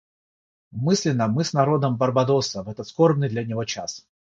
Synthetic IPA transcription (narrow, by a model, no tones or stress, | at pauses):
mɨsʲlʲɪnːəmɨsnɐɾo̞d̪əmbɐrbɐd̪o̞səvɛt̪ət̪sko̞rbnɨjd̪lʲɐnʲɪvo̞t͡ɕa̰s